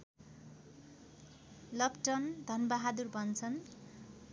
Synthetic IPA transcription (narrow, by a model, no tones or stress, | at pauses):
lʌpʈʌnd̪ʱʌnbaɦad̪urbʱʌnt͡sʰʌn